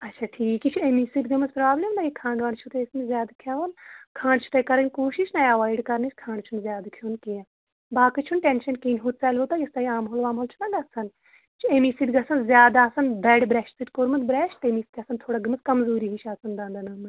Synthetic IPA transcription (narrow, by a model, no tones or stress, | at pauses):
ɐtːt͡ʃʰaːʈʰiːkit͡ʃʰuemisit̪ɡɐmɐspɾaːblʲemd̪aːjikʰãːɳɖʋaːɳt͡ʃʰut̪esmẽzjaːd̪akʰjaːʋɐnkʰãːɳt͡ʃʰu̥t̪ɐkɐɾɐnʲkoːʃiʃnajɐʋaːiɖkɐɾnit͡ʃkʰaːɳɖt͡ʃʰunzjaːd̪akʰjoːnkiɐ | baːkɨt͡ʃʰunʈenʃɐnkiːnʲɦut̪̚saːlʋot̪aːjɐst̪aːiaːmɦoːlʋaːmɦolt͡ʃʰunɐɡɐt̪sɐn | t͡ʃʰuemisit̪ɡɐsʰɐnzjaːd̪aːsɐnb̪ɛːɖbɾɛʃʈsiʈ̪koːɾmɐt̪bɾɛːʃʈt̪eːmiːsk̪ʰʲasɐnt̪ʰoːɽaɡɐmɐskɐmzuːɾiɦit͡ʃʰaːsɐnd̪ãːnd̪anɐːmɐ